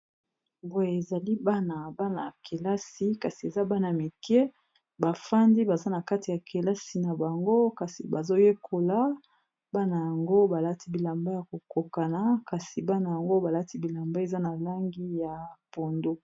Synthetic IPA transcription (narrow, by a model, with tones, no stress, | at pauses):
bo˨je˨e˨za˨li˦ba˦na˨ba˦na˨kʰe˨la˦si˨˦ka˨si˨e˨za˦ba˦na˨mi˨kɛ˦ | ba˨fa˦ndi˦ba˨za˦na˨ka˦ti˨ja˨ke˨la˦si˨na˨ba˨ŋɡo˦ka˨si˨ba˨zo˦je˦kʰo˨la˦ | ba˦na˨ja˨ŋɡo˦ba˨la˦ti˦bi˨la˨mba˦ja˨ko˨ko˨ka˨na˨˦ka˨si˨ba˦na˨ja˨ŋɡo˦ba˨la˦ti˦bi˨la˨mba˦e˨za˦na˨la˦ŋɡi˦ja˨po˨ndo˦